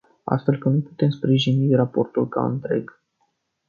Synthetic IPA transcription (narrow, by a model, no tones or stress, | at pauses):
a̰st̪fe̞lkənuput̪e̞mspɾiʒinirapo̞rt̪ulka̰ɨ̰nt̪ɾe̞̰ɡ̥